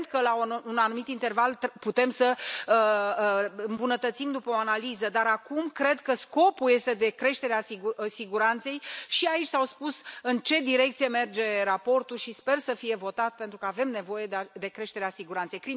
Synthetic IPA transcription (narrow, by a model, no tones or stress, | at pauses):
nt̪̚kəlaounanumit̪int̪e̞rvalt̪put̪e̞msəə | ɨmbunət̪ət̪simd̪upəoanalizəd̪aɾakumkɾe̞d̪kəsko̞pulje̞st̪e̞d̪e̞kɾe̞ʃt̪e̞ɾeasiɡsiɡuɾant̪se̞jʃiait͡ʃʲsawspusɨnt͡ʃe̞d̪iɾe̞k̚t̪sije̞me̞rd͡ʒe̞ɾapo̞rt̪ulʃispe̞rsəfije̞vo̞t̪at̪̚pe̞nt̪ɾukəave̞mne̞vo̞je̞d̪d̪e̞kɾe̞ʃt̪e̞ɾeasiɡuɾant̪se̞jkɾi